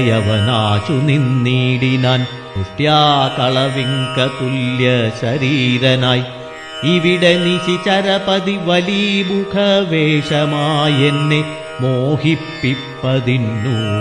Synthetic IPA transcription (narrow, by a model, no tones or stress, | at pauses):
jɐʋɐnaːt͡ɕuninːiːɽinaːn | kuʈːjaːkɐɭɐʋiŋkɐk̪uljɐɕɐɾiːɾɐnaːj | iʋiɽeniɕit͡ɕɐɾɐpɐðiʋɐlimukʰɐʋeːʂɐmaːjenːe | moːhipːipːɐðinːu